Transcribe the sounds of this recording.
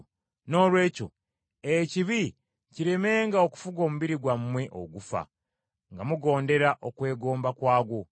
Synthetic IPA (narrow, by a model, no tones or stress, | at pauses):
no̞ːlwe̞ːco̞̰ | eciβi | ciɾe̞me̞ːŋɡaoku̥fuɡo̞ːmuβiɾiɡwammwe̞ʔo̰ɡufa̰ | ŋɡamuɡo̞ːnde̞ɾaʔokwe̞ːɡo̞ːmbakwaːɡwo